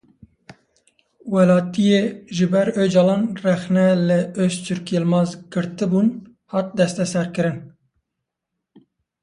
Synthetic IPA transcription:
wɛlɑːt̪ijeːʒɨbɛɾød͡ʒɑlɑːnrɛxnɛlɨøʃt̪ʰyɾkjelmɑːzɡɨɾt̪ɨbuːn | hɑːt̪̚d̪ɛst̪ɛsɛɾkɨɾɨn

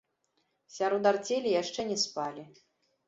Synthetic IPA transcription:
sʲaɾɔd̪art͡sʲelʲijaʂt͡ʂɛnʲɛspalʲi

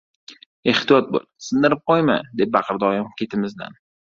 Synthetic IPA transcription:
e̞ht̪ijɒt̪̚bo̰lsɨnd̪ɪɾɪp̚qojmad̪ep̚ːbɑqʰɨɾd̪ɒjɒmkʲʰe̞t̪ʰɪmɪzd̪a̰n

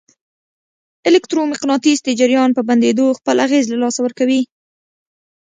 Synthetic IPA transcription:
ɪlɪkt̪ɾomɪqnɑt̪isd̪əd͡ʒɪɾjɑnpəband̪ed̪oxpəlaɣezlalɑsawəɾkawi

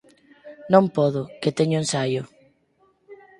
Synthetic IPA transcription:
nõmpɔðʊket̪eɲʊensajʊ

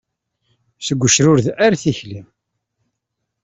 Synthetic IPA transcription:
səɡʷːəʃɾʊɾðaɾθiçlim

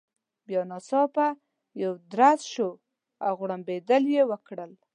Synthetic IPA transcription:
bjɑnɑsɑpa | jawd̪ɾasʃo | a̰wɣɽambed̪əljewəkɽəl

